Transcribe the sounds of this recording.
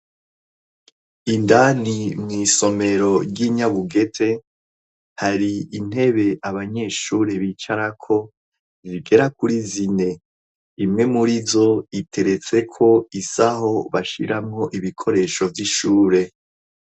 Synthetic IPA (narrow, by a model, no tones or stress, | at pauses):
indanimŋiːso̞me̞ɾo̞ɾɟiɲaβuɡe̞tʰe̞ | haɾiːn̥e̞βe̞ʔaβaɲe̞ːʃuːɾe̞βit͡ʃaɾakʰo̞ | ziɡe̞ɾakuɾizine̞ | imŋe̞muɾizo̞itʰe̞ɾe̞t͡se̞kʰo̞isaho̞βaʃḭɾamŋo̞ʔiβikʰo̞ɾe̞ːʃo̞vjiʃuːɾe̞